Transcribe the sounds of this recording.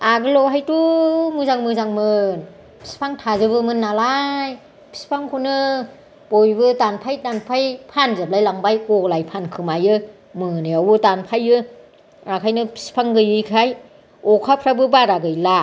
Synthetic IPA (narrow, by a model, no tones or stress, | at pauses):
aɡɯlɔwɦajtumɯzaŋmɯzaŋmɯn | pʰi̥spʰaŋtʰazɯbɯmɯnːalaj | pʰi̥spʰaŋkʰonɯ | b̥ojbɯtanpʰajtanpʰajpʰanzap̚lajlaŋbajkɔlajpʰankʰɯmajɯ | mɯnɯjawɯtanpʰajɯ | akʰajnɯpʰi̥spʰaŋɡɯjɯkʰaj | ɔkʰapʰɾabɯbaɾaɡɯjla